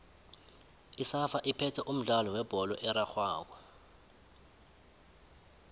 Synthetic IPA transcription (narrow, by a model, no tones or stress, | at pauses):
isafaʔipʰɛtʰɛʔum̩ɮalɔwɛb̥ʱɔlɔʔɛɾaxwaːk̬wa